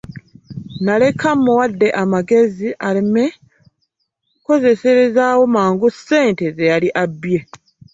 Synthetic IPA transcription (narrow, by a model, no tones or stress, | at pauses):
nale̞kʰamːuwadːe̞ʔamaɡe̞ziʔaleme | ko̞ze̞se̞ɾezaːwo̞maːŋɡusːe̞ːntezejaliʔabje̞